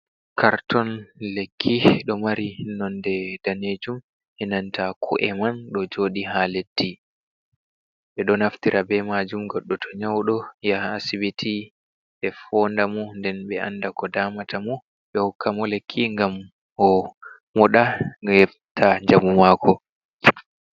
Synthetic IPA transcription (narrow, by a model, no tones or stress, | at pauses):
kaɾtɔnlekʰːiɗɔmaɾihinːɔndɛdaneːd͡ʒum | hɛnantakʰṵʔɛmanɗɔd͡ʒoːɗiɦaledːi | ɓɛɗɔnaftiɾʔabɛmad͡ʒumɡɔɗːɔtʰɔɲawɗɔjaːsibitʰi | ʔɛfɔndamɔndɛnɓɛʔa̰nːdakɔdaːmatʰamɔ | ɓɛhukːamɔlekʰːiŋɡam | ɔ | mɔɗaɛf | tʰaɲd͡ʒamumaːkʰɔ